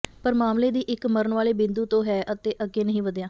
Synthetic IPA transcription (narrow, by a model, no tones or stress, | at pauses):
pəɾmaːmleːd̪iːʔɪkməɾəɳʋaːleːbɪ̃nd̪uːt̪õːɦɛːʔət̪eːʔəɡeːnəɦĩːʋəd̪jãː